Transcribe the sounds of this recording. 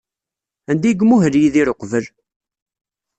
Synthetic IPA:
ænd̪iɡmuɦəljiðiɾoqvəl

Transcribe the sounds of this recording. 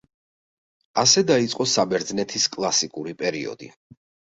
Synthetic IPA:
asɛd̪ait̪sʼqʼɔsabɛɾd̪znɛt̪ʰiskʼlˠasikʼuɾipʼɛɾiɔ̰d̪ḭ

